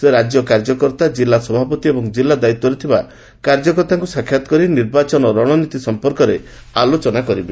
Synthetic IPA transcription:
seɾad͡ʒjɔkaɾd͡ʒɔkɔɾt̪ad͡ʒilasɔbʱapɔt̪iebɔŋd͡ʒilːad̪ait̪ːɔɾit̪ʰiba | kaɾd͡ʒɔkɔɾt̪aŋkusakʰːjat̪ɔ̥kɔɾiniɾbat͡ʃɔnɔɾɔɽ̃ɔnit̪isɔmpɔɾkɔɾealot͡ʃɔnakɔɾibe

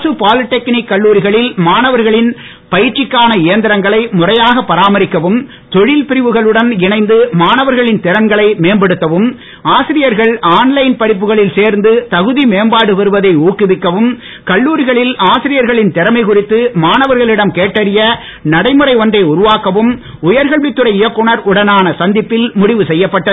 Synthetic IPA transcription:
sɯpaːlɪʈːɛknɪkːɐɭːuːɾɪɣɐɭɪlmaːnɐʋɐɾɣɐɭɪn | pɐjɪrt͡ʃːɪkːaːnɐɪjɐnd̪ɪɾɐŋɡɐɭɐɪmʊrɐjaːɣɐpːɐɾaːmɐɾɪkːɐʋɯm | t̪ɔɻɪlpɪɾɪʋɯɣɐɭɯɽɐnɪnɐɪnd̪ɯmaːnɐʋɐɾɣɐɭɪnt̪ɪɾɐŋɡɐɭɐɪmeːmbɐɽɯt̪ːɐʋɯm | aːsɪɾɪjɐɾɣɐɭaːnlɐɪnpɐɽɪp̬ːɯɣɐɭɪlseːɾnd̪ɯt̪ɐɣɯðimeːmbaːɽɯʋɐɾɯʋɐðɐɪuːkːɪʋɪkːɐʋɯm | kɐɭːuːɾɪɣɐɭɪlaːsɪɾɪjɐɾɣɐɭɪnt̪ɪɾɐmɐɪkʊrɪt̪ːɯmaːnɐʋɐɾɣɐɭɪɽɐmkeːʈːɐɾɪjɐ | nɐɽɐɪmɯɾɐɪɔndrɐɪʊɾʊʋaːkːɐʋɯm | ʊjɐɾɣɐɭʋɪt̪ːɯɾɐɪjɐkːʊɳɐɾʊɽɐnaːnɐsɐnd̪ɪpːɪlmʊɽɪʋɯsɛjːɐpːɐʈːɐ

